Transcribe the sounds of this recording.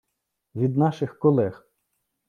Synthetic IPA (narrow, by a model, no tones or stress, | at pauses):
ʋʲid̪nɑʃɪxkɔlˠɛx